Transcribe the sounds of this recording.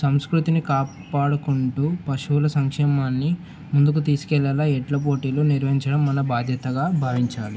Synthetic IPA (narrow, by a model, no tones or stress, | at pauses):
sɐmskɾut̪inikaː | paːɽɐkuɳʈuːpɐʂulɐsɐŋkʂɛːmaːnːi | mund̪ukut̪iːsu̥kɛlːɐːlaːɛʈlɐp̬o̞ːʈiːloːniɾʋɐɦiɲt͡ʃɐɽɐmːɐnɐbaːd̪ʱjɐt̪ɐɡaːbʱaːʋiɲt͡ʃaːli